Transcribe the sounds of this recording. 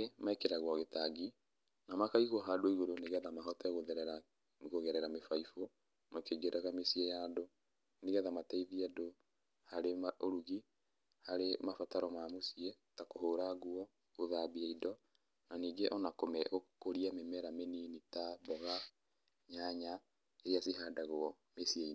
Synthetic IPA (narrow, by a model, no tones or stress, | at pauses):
emaekeɾaɣwɔɣetaɡi | namakaiɣwɔɦadoiɣoɾoneɣɛðamaɦɔtɛɣoðɛɾɾa | ɣoɣɛɾɛɾamefaifo | makeɡeɾʔaɣamesiɛjaːdo | neɣɛðamataiðiado | haɾemaoɾuɣi | haɾemafataɾɔmamosiɛ | takoɦoːɾaɣwɔ | oðabiɛidɔ | naniːɡeʔɔnakomɛokoɾiamemɛɾameninitabɔɣa | ɲaɲa | eɾiaseɦaːdaɣoɔ | mesiɛi